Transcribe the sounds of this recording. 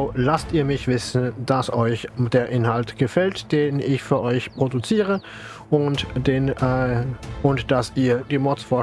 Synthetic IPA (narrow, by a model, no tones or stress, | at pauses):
lastiːɐmɪçv̥ɪsn̩d̥asʔɔʏçd̥eːɐʔɪnhaltɡ̥əfɛltd̥eːnɪçfyːɐʔɔʏçpʁ̥odut͡siːʁə | ʔʊntdeːn | ʔʊntd̥asʔiːɐd̥iːmɔt͡sfoːɐ